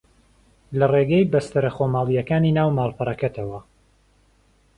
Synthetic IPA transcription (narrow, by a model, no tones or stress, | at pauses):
lɐreːɡɐjbɐst̪ɨɾɐχoːmaːlˠijɐkaːniːnaːwmaːlˠpɐɾˤɐkɐt̪ʰɐwɐ